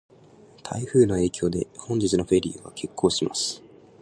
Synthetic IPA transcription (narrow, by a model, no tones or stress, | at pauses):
t̪ʰa̰iɸɯ̟ːno̞e̞ːkʲo̞ːd̪e̞̰hõ̞ɲ̟d͡ʑit͡sɨno̞ɸe̞ɾʲiɯɡakʰe̞kʰːo̞ːɕima̰sɨ̥